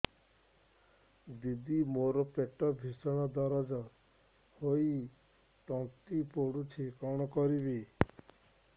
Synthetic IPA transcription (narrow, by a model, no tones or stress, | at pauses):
d̪id̪imoɾɔpeʈɔbʱisɔɽ̃ɔd̪ɔɾɔd͡ʒɔ | hoi | t̪ɔ̃t̪ipoɽut͡ʃʰikɔɽ̃ɔkɔɾibi